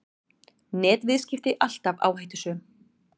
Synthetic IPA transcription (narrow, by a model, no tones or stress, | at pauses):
nɛːt̪vɪðscɪft̪ɪʔal̥t̪ava̰ːwhajht̪ʏsʏ